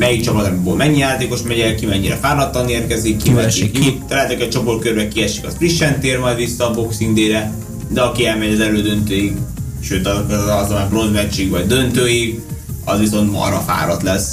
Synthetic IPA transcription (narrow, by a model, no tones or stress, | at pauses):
mɛjik̚t͡ʃɒpɒt̪ɒmibolmɛɲːijaːt̪eːko̞ʃmɛɟɛlkimɛɲːiɾɛ̰faːrlɒt̪ːɒneːrkɛzikːimɛʃiikjut̪t̪lɛːt̪ɛkɛt͡ʃoporkørbɛkiɛʃi̥kɒsfriʃːɛnt̪eːrmɒjd̪visːɒːbo̞ksind̪eːɾɛ | d̪ɛɒkiɛlmɛɟɒzɛløːd̪ø̞nt̪øːjiɡ | ʃøːt̪ɒzokɒzomaprozmɛt͡ʃiɡvɒɟd̪ønt̪øːjiɡ | ɒzʋiso̞nt̪mɒ̰ɾɒfa̰ːɾɒt̪lɛs